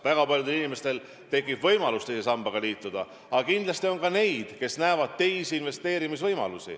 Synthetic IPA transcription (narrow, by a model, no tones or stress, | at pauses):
væɡ̥ɑpɑlʲjud̪e̞linime̞st̪e̞l | t̪e̞kːib̥vɤ̞jmɑlust̪ejsesɑmb̥ɑɡ̥ɑliːt̪ːˑud̪̥ɑ̰ | ɑɑkind̪lɑst̪io̞ŋkɑne̞jd̪̥ke̞snæːvɑd̪̥̚t̪e̞jsiinve̞st̪e̞ːɾimisvɤjmɑ̰lusḭ